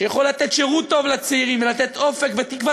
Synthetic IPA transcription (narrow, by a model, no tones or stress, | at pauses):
jaχolːat̪et̪ʃeʁut̪ːo̞vlat͡seiʁimvelat̪et̪o̞fe̞kvet̪ikva